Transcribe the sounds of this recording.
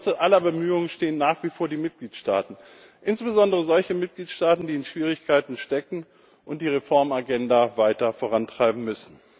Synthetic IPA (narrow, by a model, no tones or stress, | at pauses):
t͡səʔalɐbəmyːʊŋənʃteːənːaːχv̥iːfoːɐdiːmɪt̚ɡ̥liːtʃta̰ːtn̩ | ʔɪnsb̥əzɔndəʁ̞əzɔlçəmɪt̚ɡ̥liːtʃtaːtn̩diːɪnʃv̥iːʁ̞ɪçkʰaɪtn̩ʃtɛkŋ̩ | ʔʊntd̥iːʁefɔɐmaɡɛndavaɪtɐfoːʁ̞antʁ̥aɪbm̩mʏsn̩